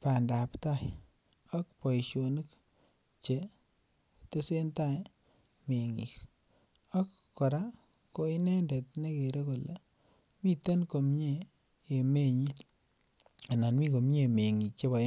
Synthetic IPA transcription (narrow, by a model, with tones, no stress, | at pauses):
pa˨nda˨pta˦˨j | ɔ˦k̚pɔ˨i˨ʃo˨nɨ˦k | t͡ʃe˨ | te˦se˦nta˦˨ | me˨ŋḭ˨k | a˦kːɔ˨ɾa˦ | ko˦i˦nɛ˦ndɛ˨t̚ne˦ke˨ɾe˦ko˨le | mi˦te˦nko˨mɲeː˦˨ | me˦ɲi˦t | a˨na˨nmi˦ko˨mɲe˦˨me˨ŋi˨k̚t͡ʃe˦ba˨˦